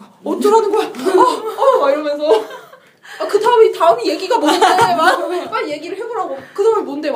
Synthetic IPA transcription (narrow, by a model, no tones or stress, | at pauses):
ʌt͡ɕoɾɦanɯnɡʌkatʰ | iɾʌmjʌnsʰʌ | akɯdaɯmitaɯmije̞ɡiɡamonɯdeemaop͈aɾje̞ɡiɾɯɭhɦe̞boɾɦaɡokɯdaɯmimonɯnde̞